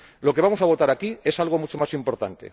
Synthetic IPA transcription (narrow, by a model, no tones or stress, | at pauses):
lo̞keamosaβ̞o̞t̪aɾakie̞salɣ̞o̞mut͡ʃomasimpo̞ɾt̪a̰nt̪ḛ